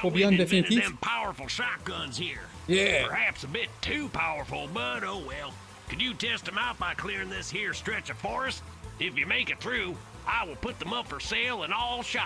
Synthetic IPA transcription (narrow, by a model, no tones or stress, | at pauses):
wlˠbiʌ̃ndɛθɪ̃kjɨ̃mpʰaʊə˞fl̩ˠʃɑk̚ɡ̥ʌ̃nz̥hiɹjæpə˞hæpsəbɪtʰʉpʰaʊə˞fl̩ˠbʌɾoʊwɛlˠ | kɨnjɨtʰɛst̪̚ɨ̃maʊt̚b̥aɪkʰl̥ɪɹɪ̃ŋðɪshiɹstɹ̥ɛt͡ʃʌv̥fɔɹɨstɪfjɨmeɪkɨt̪̚θɹʉ | aɪwəlˠpʊt̪̚ðə̃mʌpfə˞sɛɪlˠə̃nɔlˠʃɑ